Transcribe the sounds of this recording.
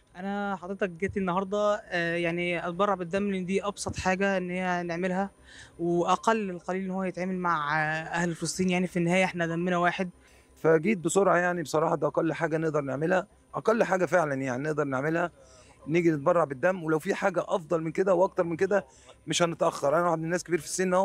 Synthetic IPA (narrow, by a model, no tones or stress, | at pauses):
ʔænæħɑd̪ˤɾet̪ɑk̚ɡæːt̪iʔenːɑɦɑɾˤd̪ˤɑjaʕniʔɑt̪̚bɑrˤːɑʕbed̪ːæmːelʔenːd̪iːʔɑbsˤɑt̪ˤħaːɡæʔenːhejːæneʕmelɦæ | weʔæqælːelqɑliːlʔenːhowːæjet̪ʕaːmælmaʕʔæhlelfelɑsˤt̪ˤiːnjaʕnifinːehæːjæʔeħnæd̪æmːenæwaːħed̪̚ | fæɡiːt̪̚besˤoɾʕɑjaʕnibesˤɑɾˤɑːħɑd̪iʔɑqælːħaːɡæneʔd̪ɑɾˤneʕmelhæ | ʔɑqælːħaːɡæfeʕlænjaʕnineʔd̪ɑɾˤneʕmelhæ | neːɡinet̪̚bɑrˤːɑʕbed̪ːæmːwelæwfiːħaːɡæʔɑfd̪ˤɑlmenked̪æwʔɑk̚t̪ɑɾˤmenked̪æ | meʃhænet̪ʔæxːɑɾˤʔænæwaħed̪menːæːskebiːɾfi̥sːeːnːo